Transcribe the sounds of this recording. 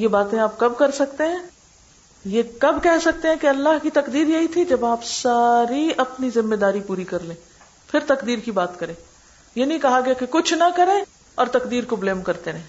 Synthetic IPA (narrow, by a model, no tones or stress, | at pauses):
jebaːt̪ẽaːp̚kɐbkɐɾsɐkt̪eɦɛ̃ː | jekɐbkɛɦsɐk̚t̪eɦɛ̃keɐlːaɦkit̪ɐqd̪iːɾjɐɦit̪ʰid͡ʒɐbaːpsaːɾiɐpnizɪ̃mːed̪aːɾipuːɾikɐɾlẽː | pʰɪɾt̪ɐkd̪iːɾkibaːt̪kɐɾẽː | jenɐɦĩkɐɦaɡɐjakekʊt͡ʃʰnɐkɐɾẽː | ɔːɾt̪ɐkd̪iːɾkobleːmkɐɾt̪eɾɛ̃ː